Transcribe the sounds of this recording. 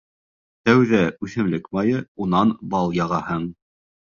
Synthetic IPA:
t̪æwðæʉθɘ̆mlɘkmɑjɤunɑnbɑlˠjɑʁɑhɤɴ

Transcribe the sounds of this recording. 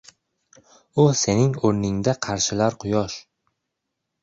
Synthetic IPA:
ʊse̞nɪŋoɾnɪŋd̪aqʰɑɾʃɪlaɾqʰʊjɒʃ

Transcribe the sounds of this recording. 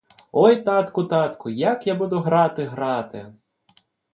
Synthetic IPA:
ɔjt̪ɑt̪kʊt̪ɑt̪kʊjɐkjabud̪ʊɦɾɑt̪ɪɦɾɑt̪ɪ̰

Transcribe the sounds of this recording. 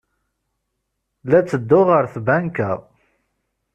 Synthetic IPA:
læt͡sːəd̪ːʊʁəɾθbænkæ

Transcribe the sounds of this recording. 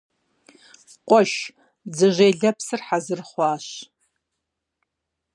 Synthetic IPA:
qʷʼɔʃ | d͡zɨʒʷeːɮɐpsɨrħazɨrχʷɑːɕ

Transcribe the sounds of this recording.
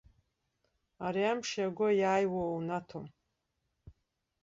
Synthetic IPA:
aɾiamʂjaɡʷʊjaːjwownatʰom

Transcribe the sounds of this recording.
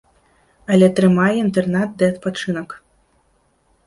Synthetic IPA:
ɐlʲɛt̪ɾɨmajɛint̪ɛrnat̪̚d̪ɨɐt̪̚pat͡ʂɨnɐk

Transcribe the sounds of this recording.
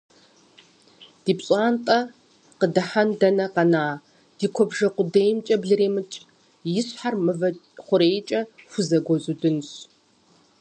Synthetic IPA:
d̥iːpɕʼaːntʼɐ | qədɐħandɐnɐqɐnaː | d̥iːkʷʰɔbʒɐqʷʊdejmt͡ʃʼɐbɮɨɾeːmɨt͡ʃʼ | jɪsħarmɨvɐ | χʷʊɾeːjt͡ʃʼɐxʷʊzɐɡʷɔzudɨnɕ

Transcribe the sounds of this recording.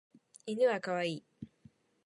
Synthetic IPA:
inɯβakaβaiː

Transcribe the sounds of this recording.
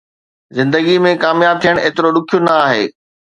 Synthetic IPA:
zɪ̃nd̪əɡimẽkaːmjaːb̚t̪ʰijəɽ̃eːt̪ɪɾoɗʊkʰijonɐaːɦḛː

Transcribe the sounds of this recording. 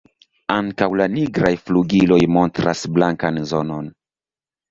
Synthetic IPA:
aŋkawlaniɡɾajfluɡilo̞jmo̞ntɾasblaŋkanzo̞no̞n

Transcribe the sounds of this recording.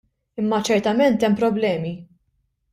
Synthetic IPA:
ɪmːɐt͡ʃɛɾt̪ɐmɛnt̪ɛmːpɾɔblɛːmi

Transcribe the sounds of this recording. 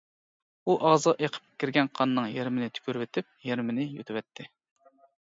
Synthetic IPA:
uʔɑʁzʁɑʔeqʰə̥p̚kʲiɾɡʲɛnqʰɑnːɨŋjeɾmɪnɪt̪ʰy̥kʲyɾvɪt̪ʰɪp̚jeɾmɪnɪjo̰t̪ʰɪwɛt̪ʰːɪ

